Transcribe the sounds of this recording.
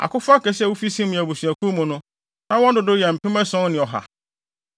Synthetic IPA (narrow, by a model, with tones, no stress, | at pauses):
a̰˨kʊ˦fa˦kɛ˨sɛ˦wu˦fi˦sĩ˦mʊ̃˨æ˨bu˨sɥæ˨kʰũ˦mʊ̃˨nʊ̃˦ | nã˦wɔ̃˦ndʊ˨dʊ˦jɛ˨m̩˨pʰɪ̃˦mɛ̃˦sɔ̃˦nɪ̃˨ɔ˨ɦa̰˨